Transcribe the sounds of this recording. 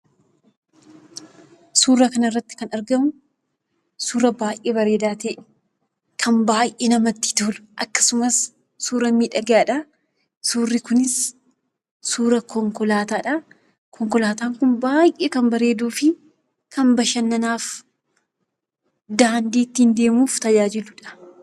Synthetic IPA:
suːrːɐkɐnɐɪrːɐt̪ːɪ̥kɐnɐɾɡɐmʊ | suːrɐbaːjʔeːbɐɾe̞ːd̪aːt̪ɛːʔɛ | kʰɐnbaːjʔeːnɐmɐt̪ːɪ̥t̪uːlʔɐkːɐ̥sʊmɐsː | uːɾɐmiːᶑɐɡaːᶑɐ | suːrːɪkʊnɪs | suːɾɐkɔŋkɔlaːt̪aːᶑɐ | kʰɔŋkɔlaːt̪aːŋkʊnbaːjʔeːkɐmbɐɾe̞ːd̪uːfɪ | kʰɐnbɐʃɐnːɐnaːf | d̪aːnd̪iːt̪ːind̪e̞ːmuːft̪ɐd͡ʒaːd͡ʒɪlʊᶑɐ̥

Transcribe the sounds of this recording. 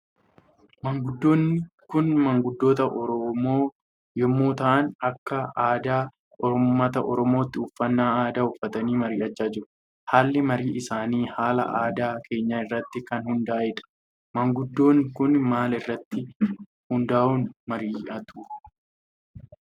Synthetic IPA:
mɐŋɡʊd̪ːo̞ːnːɪkʊnmɐŋɡʊd̪ːo̞ːt̪ɐʔɔɾɔmoː | jɔmːoːt̪ɐʔɐnɐkːɐaːd̪aː | ʔɔɾmːɐt̪ɐʔɔɾɔmo̞ːt̪ːɪʊfːɐnːaːaːd̪aːʊfːɐt̪ɐniːmɐɾiːɐt͡ʃːaːd͡ʒɪɾʊ̥ | haːlːɪmɐɾiːʔɪsaːniːhaːlɐ̰ʔaːd̪aːkʰe̞ːɲːaɪrːɐt̪ːɪkɐnhʊnd̪aːʔɪᶑɐ̥ | mɐŋɡʊd̪ːo̞ːnkʊnmaːlɪrːɐt̪ːɪ | hʊnd̪aːʔuːnmɐɾiːɐt̪uː

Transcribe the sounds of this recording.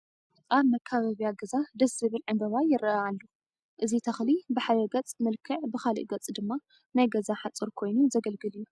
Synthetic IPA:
ʔaβmɐkʰːaβaβijaɡɐzad̪ɐsɨβɨlʕɨmbɐβajɪɾɐalːu | ʔɨzit̪ʰɐxlibɨħajɐɡɐt͡sʼmɨlkʰɨʕbɨxalḭʔɡɐt͡sʼd̪ɨmːa | najɡɐzaħat͡sʼɨɾkʰo̞jnuzɐɡɐlɡɨljːu

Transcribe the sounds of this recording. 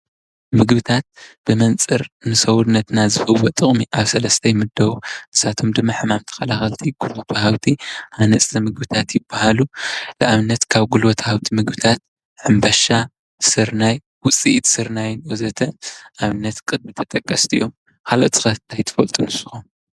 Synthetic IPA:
mɨɡbɨt̪ʰat̪̚b̥ɨmɐnt͡sʼɨɾnɨsɐwud̪nɐt̪nazɨhɨwot̪ʼɨχʼmiʔaβsɐlɐst̪ʰɐjmɨd̪ːɐwunɨsat̪ʰo̞md̪ɨmːaħɨmamt̪ʰɐ̥kɐlaxɐlt̪ʰiɡ̥ulwot̪ʰɐhawt̪ʰiʔanɐsʼʰɐmɨɡbɨt̪ʰat̪jɪb̥ːahalulɨʔaβɨnːɐt̪kʰaβɡulwot̪ʰɐhawt̪ʰimɨɡbɨt̪ʰat̪̚ | ħɨmbɐʃa | sɨɾnaj | wʊt͡sʼiʔt̪sɨɾnajɪnwozɐt̪ʰɐʔaβɨnːɐt̪kʼɨd̪̚mɨt̪ʰɐt̪ʼɐkʼːɐst̪ʰijo̞m | kʰaloʔt̪ʰɨ̥xɐnt̪ʰajt̪ʰɨ̥fɐlt̪ʼunɨsɨ̥xom

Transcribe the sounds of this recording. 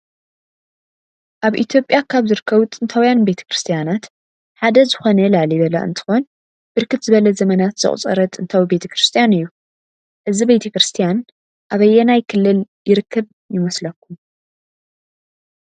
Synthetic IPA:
ʔaβʔḭt̪ʰjo̞pʼjakʰaβzɨɾɨkːɐβut̪ʼɨnt̪ʰawjanbe̞t̪ʰɐ̥kɾɨst̪ʰijanat̪ | ħad̪ɐzɨxo̞nɐlaʕliβɐlɐ̰ʔɨ̰nt̪ʰɨ̥xo̞n | b̥ɨɾkʰɨt̪zɨβɐlɐzɐmɐnat̪z̥ɨ̰χʼt͡sʼɐ̰ɾɐt̪ʼɨnt̪ʰawibe̞t̪ʰɐkɾɨst̪ʰijanɨjːu | ʔɨzibet̪ʰɐkɾɨst̪ʰijan | ʔaβɐjːɛnajkʰɨlːɨljɪɾɨkʰːɨβ | jɪmɐslɐkʰːum

